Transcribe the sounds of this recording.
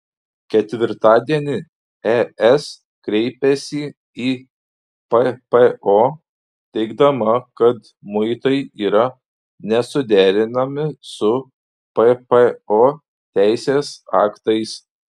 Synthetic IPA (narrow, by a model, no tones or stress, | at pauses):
kʲɛt̪ʲʋʲɪɾt̪ɑːd̪ʲiɛnʲɪ | ɛɛs | kɾʲɛɪpʲɛsʲi | iː | pɛpeoː | t̪ʲɛɪɡd̪ɐmɐkɐt̪ | mʊɪt̪ɐɪiːɾɐ | nʲɛsʊd̪ʲæːɾʲɪnɐmʲɪsʊ | pɛpeoː | t̪ʲæˑɪsʲeːsɑːkt̪ɐɪs